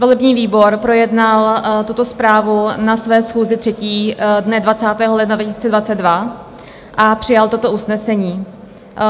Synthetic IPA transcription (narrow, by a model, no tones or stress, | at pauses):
volɛbɲiːviːbo̞ɾpɾo̞jɛdnalt̪ut̪o̞spɾaːvunasvɛːsxuːzɪt̪r̥ɛciːdnɛdvat͡saːt̪ɛːɦolɛdnadvacɪsiːt͡sɛdvat͡sɛt̪̚dva | ʔapr̝̥ɪjalt̪o̞t̪o̞ʔusnɛsɛɲiː